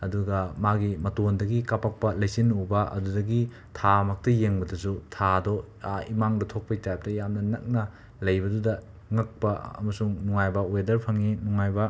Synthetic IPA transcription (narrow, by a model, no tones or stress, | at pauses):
ɐduɡɐmaɡimɐtondɐɡikapɐk̚pɐlɐjsinubɐʔɐ̰dudɐɡi | tʰamɐk̚tɐjeŋbɐdɐsutʰado | imaŋdɐtʰok̚pɐitajp̚tɐjamnɐnɐ̰k̚nɐ | lɐjbɐdudɐ | ŋɐk̚pɐɐ̰mɐsuŋnuŋajbɐwedɐɾpʰɐŋinuŋajbɐ